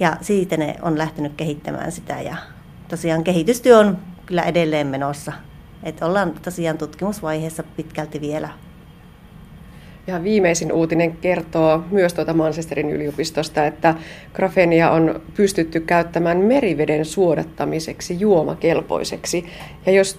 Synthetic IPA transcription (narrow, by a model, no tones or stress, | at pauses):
jɑsiːt̪ːenḛo̰nlæht̪enykkehit̪ːæ̰mæ̰ːnsit̪æ̰jɑ̰ | t̪osiɑːŋkehit̪yst̪yøonkylːæ̰ʔedelːeːmmenosːɑ | et̪olːɑːnt̪osiɑːnt̪ut̪kimusʋɑiheːsːɑpit̪kælt̪ːʋielæ | jɑʋiːmeisinuːt̪ineŋkert̪oːmyøst̪uot̪ɑmɑnsest̪eɾiny̰liupist̪ost̪ɑet̪ːækrɑfeniɑʔonpyst̪yt̪ːykːæyt̪ːæmænmeriʋedensuodɑt̪ːɑmiseksijuomɑ̰kelpo̰iseksijɑjos